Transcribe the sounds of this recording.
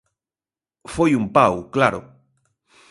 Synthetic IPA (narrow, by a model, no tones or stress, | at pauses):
fojumpawklaɾo̰